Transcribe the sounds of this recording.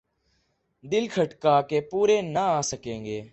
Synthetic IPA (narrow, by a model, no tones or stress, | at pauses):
d̪ɪlkʰəʈkaːkeːpuːɾeːnəaːsəkẽːŋɡeː